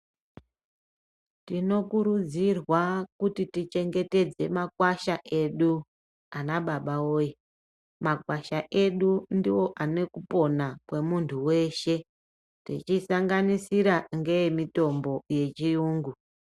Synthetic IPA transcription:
tino̞kuɾud͡zirwakutitit͡ʃe̞ŋɡe̞te̞d͡ze̞makwaʃaʔe̞ɗu | anaɓaɓaoːi | makwaʃaʔe̞ɗundiwo̞ʔane̞kupo̞nakwe̞muntʰuwe̞ʃe̞ | tḭt͡ʃisaŋɡanisiɾaŋɡe̞jemito̞mbo̞je̞t͡ʃiuːŋɡu

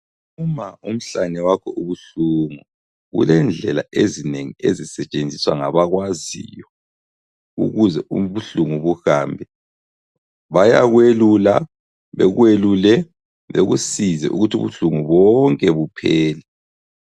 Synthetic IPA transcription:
umaum̩ɬanɛwakʰɔʔuβuɬuŋu | ɣṵlɛnd͡ɮʱɛla̰ezineŋiezisɛt͡ʃʼend͡zʱiswaŋaβaɣwazḭjɔ | ṵɣuzɛuβuɬuŋuβuhaːmbʱɛ | βaja̰ɣwelula̰ | βɛɣwelulɛ | βeɣusizɛ̰ʔṵɣutʰṵβuɬuŋuβɔŋkʼɛβupʰɛːlɛ

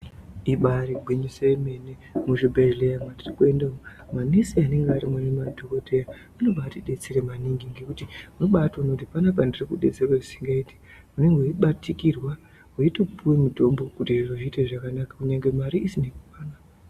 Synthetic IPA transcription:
iɓaɾiɡʱwiɲuseime̞ne | muʐibʱeʒlejamandirikue̞ndao | manisiane̞ŋɡaɾimwenemadʱokotʰeja | anobaːtiɗe̞t͡se̞ɾemaniŋɡiŋɡekutiuno̞ɓatonokutipanap̬andirikuɗe̞t͡serweʐisiŋɡaiti̥ | une̞ŋɡoiɓatikirwa | uitokupʰuwemito̞mbo̞kutiʐinoʐiteʐakanakḁkuɲaŋɡe̞maɾiʔisinekupaːna

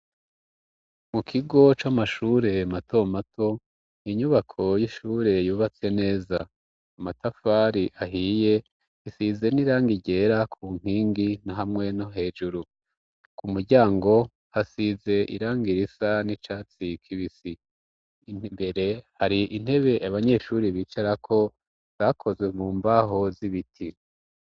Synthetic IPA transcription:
mukʰiɡo̞t͡ʃamaʃuːɾe̞mato̞matʰo̞ | iɲuβakʰo̞jiʃuːɾe̞juːβat͡sene̞ːzaː | matafaɾiʔaɦiːje̞ | isize̞niɾaːŋɡiɟe̞ɾakʰuːŋ̥iːŋɡinaɦamŋe̞no̞ɦe̞ːd͡ʒuɾu | kumuɾɟaːŋɡo̞ | hasize̞ʔḭɾaːŋɡiɾisanit͡ʃaːt͡sikʰiβisi | mbe̞ɾe̞haɾiʔin̥he̞βe̞ʔaβaɲe̞ːʃuːɾiβiːt͡ʃaɾakʰo̞ | βakʰo̞zwe̞muːmbaɦo̞ziβitʰi

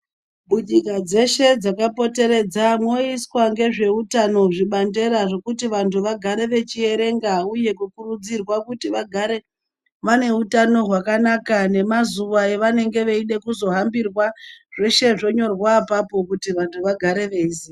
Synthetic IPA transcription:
ɓuɲikad͡ze̞ʃe̞d͡zakapo̞te̞ɾe̞d͡zamwo̞iswaŋɡe̞ʐe̞utano̞ʐiɓande̞ɾaʐo̞kutiʋantʰuʋaɡʱaɾe̞ʋe̞t͡ʃie̞ɾe̞ŋɡauje̞kukurud͡zirwakutiʋaɡʱaɾe̞ | ʋane̞utano̞ɦwakanakane̞mazuʋaeʋane̞ŋɡe̞ʋeiɗe̞kuzo̞ɦambirwaʐ̥e̞ʃe̞ʐo̞ɲo̞rwapapo̞kutiʋantʰuʋaɡʱaɾe̞ʋe̞isi

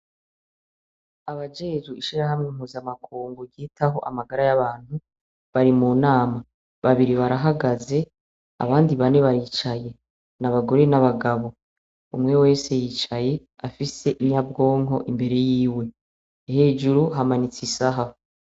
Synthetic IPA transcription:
aβad͡ʒe̞ːʒuiʃiɾaɦamŋemhuːzamakʰuːŋɡuɟiːtaɦo̞ʔamaɡaɾajaβaːn̥hu | βaɾimuːnaːma | βaβiɾiβaɾaɦaɡaze̞ | a̰βaːndiβane̞βaɾiːt͡ʃaje̞ | naβaɡo̞ɾe̞naβaɡaβo̞ | umŋe̞we̞ːse̞jiːt͡ʃaje̞ | afise̞ʔiɲabɡo̞ːŋɦo̞̰ʔimbe̞ɾe̞jiːwe̞ | ihe̞ːd͡ʒuɾuɦamanit͡sisaɦa

